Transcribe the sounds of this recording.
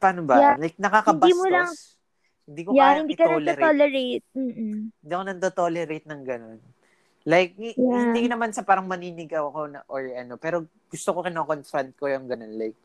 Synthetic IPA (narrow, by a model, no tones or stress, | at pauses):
pɐɐnobɐjalajk̚nɐkakɐnb̪biːmolɐŋ | hɪnd̪iːkojahɪnd̪iːkɐnɐlɾolɛɹejt̪̚m̩ːhɪnd̪iːɐkonɐnt̪ot̪olɛɾejt̪̚nɐŋɡɐno̞n | lajk̚hɪniːkonɐmansɐpaːɾɐŋmɐniːnɪɡɐwɐko̞nɐʔoɹɐno̞pɛːɾo̞ | ɡ̥ʊst̪oko̞kɪnokonfɾɐnt̪̚ko̞jʊŋɡɐno̞nlajk̚